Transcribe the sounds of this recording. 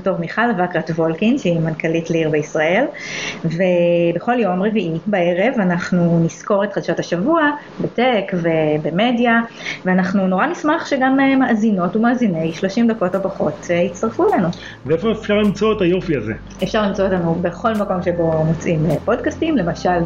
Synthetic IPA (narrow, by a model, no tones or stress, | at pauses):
betoʁmiχalvakʁatvo̞lkinʃeimankalitliʁbeisʁae̞lvebeχo̞ljo̞mʁeviʔibae̞ʁe̞vanaχnunisko̞ʁetχadʃathaʃavua | betekve̞bemedja | veanaχnuno̞ʁanismaχʃeɡamemaʔazino̞tumaːzine̞jʃlo̞ʃimdako̞topaχo̞tʰehit͡staʁfulenu | veefo̞efʃaʁlimt͡so̞etajo̞fiazḛ | efʃaʁlimt͡sootanubeχo̞lmako̞mʃebo̞not͡sʔimepo̞dkastimle̞maʃal